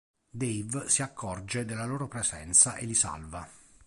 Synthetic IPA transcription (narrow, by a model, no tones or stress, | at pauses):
d̪ejvsiakʰːɔrd͡ʒed̪elːaloːɾopɾezɛ̰nt̪saʔelːisa̰lva